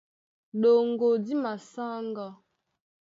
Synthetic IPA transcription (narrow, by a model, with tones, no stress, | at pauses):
ɗo˨ŋɡo˨di˦ma˨sa˦ŋɡɔ˦